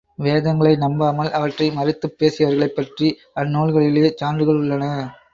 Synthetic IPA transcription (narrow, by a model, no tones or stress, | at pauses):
ʋeːðɐŋɡɐɭɐɪnɐmbaːmɐlɐʋɐʈrɐɪmɐɾɪt̪ːɯpːeːsɪjɐʋɐɾɣɐɭɐɪpːɐʈri | ɐnːoːɭɣɐɭɪleːt͡ʃaːnrɯɣɐɭʊɭːɐnɐ